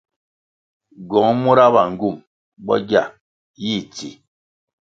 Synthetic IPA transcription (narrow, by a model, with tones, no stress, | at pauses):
ɡɔ˨˦ŋmu˦ɾa˦ba˨ŋ̩˨ɡu˦˨m | bɔ̰˦ɡja̰˦˨ | ji˦˨t͡si˨